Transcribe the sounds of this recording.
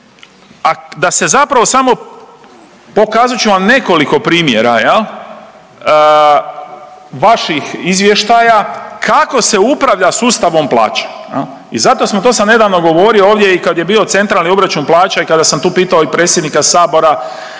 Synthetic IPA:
ad̪ase̞zapɾaʋo̞samo̞ | po̞kaːzat͡ʃuʋamne̞ko̞liko̞pɾiːmjeɾajelˠ | ʋaʃixizʋje̞ʃt̪ajakʰako̞se̞upɾaʋʎasuːst̪aʋo̞mplˠa̰ːt͡ʃḁjḛl | izat̪o̞smot̪o̞samne̞d̪aʋno̞ɡo̞ʋo̞ːɾiooːʋd̪je̞ikad̪jebiːo̞t̪se̞nt̪ɾalnio̞bɾat͡ʃunplˠaːt͡ʃaikad̪asamt̪uːpiːt̪aoipɾe̞ːt̪sje̞d̪nikasaːbo̞ɾa

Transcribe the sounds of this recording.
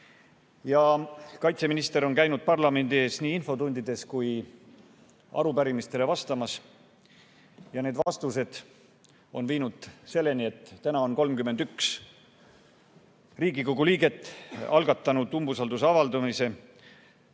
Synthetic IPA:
jɑkɑjt̪se̞minist̪e̞ɾo̞nkæjnud̪̚pɑrlɑme̞nd̪ie̞ːsniːinfo̞t̪und̪id̪̥e̞skuj | ɑ̰ɾupæɾimist̪e̞le̞vɑst̪ɑmɑs | jɑne̞ːd̪vɑst̪use̞d̪̥ | o̞nviːnud̪̥se̞lːe̞nie̞t̪ːænɑo̞nko̞lmkyme̞nd̪yks | riːɡikoɡ̥uliːɡe̞t̪ːˑɑlɡ̥ɑt̪ːˑɑnud̪̥umbusɑld̪useɑvɑld̪ɑmise̞

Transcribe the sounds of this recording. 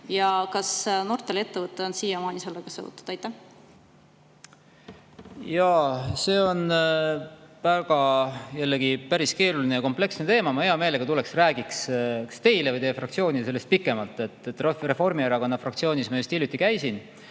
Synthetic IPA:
jɑkɑsno̞rt̪ːˑele̞t̪ːevɤt̪ːˑeonsiːjːɑmɑːnʲiselːeɡ̥ɑsɤ̰vṵt̪ːu̥d̥̪ɑjt̪ːˑæh | jɑse̞ːo̞n | væɡ̥ɑjælːeɡipæɾiske̞ːɾulinejɑko̞mple̞ksnet̪e̞ːmɑmɑeɑme̞ːleɡ̥ɑt̪ule̞ksræːɡikskst̪e̞jlevɯjt̪e̞jefrɑk̚t̪sio̞ːnʲise̞lːest̪̚pikːˑe̞mɑlt̪ːˑe̞t̪ːˑt̪ːˑrore̞fo̞rmieɾɑkonːɑfrɑk̚t̪sio̞ːnismɑjust̪iljut̪ːˑikæjsin

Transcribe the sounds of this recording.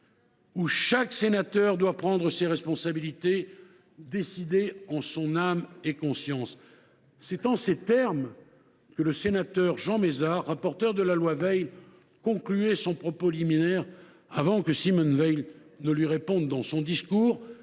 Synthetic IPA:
uʃaksenat̪œʁd̪wapχɑ̃d̪ʁəseʁɛspɔ̃sabilit̪e | d̪esid̪eɑ̃sɔ̃namekɔ̃sjɑ̃sː | ɛt̪ɑ̃set̪ɛʁm | kələsenat̪œʁʒɑ̃mezaʁːapɔʁt̪œʁd̪əlalwavɛjl | kɔ̃klyɛsɔ̃pχɔpoliminɛʁ | avɑ̃kəsimɔnvɛjlnəlɥiʁepɔ̃d̪ːɑ̃sɔ̃d̪iskuːʁ

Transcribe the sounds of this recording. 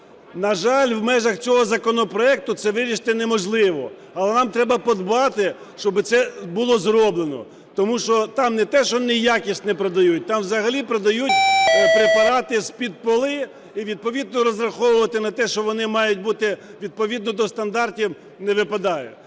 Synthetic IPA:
nɐʒɑlʲwmɛʒɐxt͡sʲɔɦɔzɐkɔnɔpɾɔɛk̚t̪ʊt̪sɛʋɪɾʲiʃt̪ɛnɛmɔʒlˠɪʋɔ̰ | ɐlˠɛnɑmt̪ɾɛbɐpɔd̪bɑt̪ɪ | ʃt͡ʃɔbɪt̪sɛbʊlˠɔzɾɔblˠenɔ̰ | t̪ɔmuʃɔt̪ɑmnɛt̪ɛʃɔnɪjakʲisʲtʲnɛpɾɔd̪ɐjut̚ʲt̪ɑmʋzɐɦɐlʲipɾɔd̪ɐjutʲpɾepɐɾɑt̪ɪsʲpʲid̪̚pɔlˠɪ | iʋʲid̪̚pɔʋʲid̪nɔɾɔzɾɐxɔwʊʋɐt̪ɪnɐt̪ɛʃt͡ʃɔʋɔnɪmɑjʊt̚ʲbut̪ɪʋʲid̪̚pɔʋʲid̪nɔd̪ɔst̪ɐnd̪ɑrtʲiw | nɛʋɪpɐd̪ɑjɛ

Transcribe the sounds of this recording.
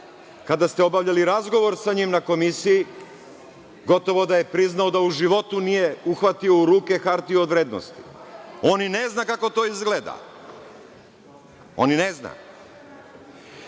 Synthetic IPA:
kad̪ast̪eo̞baʋʎaliɾazɡo̞ʋo̞ɾsaɲimnako̞misiji | ɡo̞t̪o̞ʋo̞d̪aje̞pɾiznao̞d̪auʒiʋo̞t̪unije̞uxʋat̪io̞uɾuːke̞xaɾt̪iood̪ʋɾeːd̪no̰st̪i̥o̞nineznakako̞t̪o̞izɡle̞ːd̪a̰ | o̰ninezna̰

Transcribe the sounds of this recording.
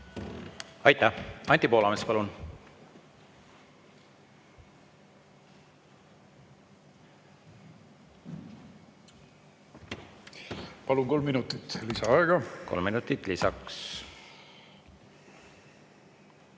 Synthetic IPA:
ɑjt̪ːˑæhɑnʲt̪ːipo̞ːlɑmespɑlun | pɑlunko̞lmːinut̪ˑit̪ːlisɑɑeɡ̥ɑko̰lmːinut̪ːˑit̪ːˑlisɑks

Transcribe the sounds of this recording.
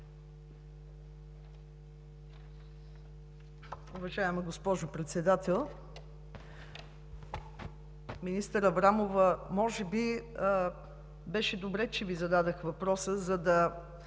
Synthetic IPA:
obɐʒajəmɛɡospɔʒʊpɾɛt̪sɛd̪at̪ɛlˠ | minist̪əɾɐvɾamovəmɔʒɛbi | bɛʃɛd̪obɾɛt͡ʃɛvizɐd̪ad̪əxvɐpɾɔsəzɐd̪ɐ

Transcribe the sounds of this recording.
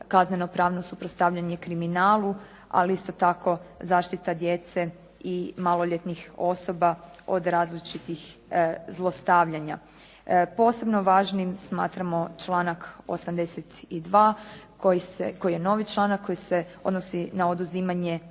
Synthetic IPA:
kazneno̞pɾaːʋno̞supɾot̪st̪aʋʎaɲe̞kɾiminaːlˠu | a̰liist̪o̞t̪ako̞zaːʃt̪it̪ad̪je̞t̪se | imalo̞ʎet̪nixo̞so̞bao̞̰d̪ɾaːzlit͡ʃit̪ixzlˠo̞st̪aʋʎaɲa | po̞ːse̞bno̞ʋaːʒnimsmaːt̪ɾamo̞t͡ʃlˠaːnako̰samd̪eset̪id̪ʋaːkojiseko̞jijeno̞ʋit͡ʃlˠanakːo̞jise | o̞d̪no̞sinao̞d̪uziːmaɲe

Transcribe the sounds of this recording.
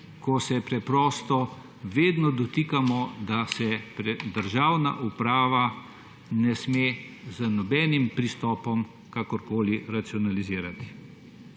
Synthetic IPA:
kɔsɛpɾɛpɾɔːst̪ɔ | ʋeːd̪nɔd̪ɔt̪ikamɔd̪asɛpɾɛd̪əɾʒaːwna̰ʔupɾaːʋa | nɛsmezənɔbɛːnimpɾist̪ɔːpɔm | kakɔɾkoːliɾat̪siɔnaliziːɾat̪i̥

